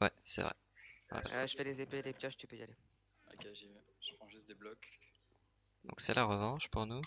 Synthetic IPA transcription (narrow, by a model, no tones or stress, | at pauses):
wɛ̰sɛ̰vʁɛ̰ | a̰la̰pʒəfɛlezepelepjɔʃt̪ypøja̰le | a̰kaʒ | ʒ̥əpχɑ̃ʒyst̪d̪eblɔk | d̪ɔ̰̃ksɛlʔaʁəvɑ̃ʃpuʁnu